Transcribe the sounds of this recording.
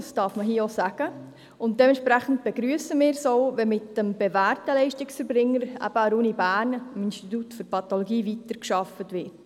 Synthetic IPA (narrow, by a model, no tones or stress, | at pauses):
sd̥ɑːɾfməɦiːosæɡ̥ə | ʊnt̚d̥ɛmɛntʃpɾæχənt̚b̥eɡɾyəsəmɪːɾsoʊʋɛmɪtd̥əmb̥evæːrtəlɛɪʃtɪksfəɾbɾɪŋːəɾæ̰b̥əəɾuːnibæːnmɪnstitutfʏɾpʰɑt̪oloɡiːvitəɾkʃɑfətʋɪːt